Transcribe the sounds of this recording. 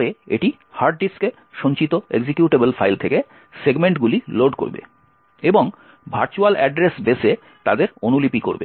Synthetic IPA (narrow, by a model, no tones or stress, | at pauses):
ɾeḛʈi | haɾɖ̚ɖiske | ʃont͡ɕit̪oeɡd͡ʑikjuʈebelfajlt̪ʰeke | seɡmeɳʈɡuliloɖko̰ɾbḛ | eboŋ | bʱaɾt͡ɕualɛɖɾesbese | t̪ad̪eɾonulipiko̰ɾbḛ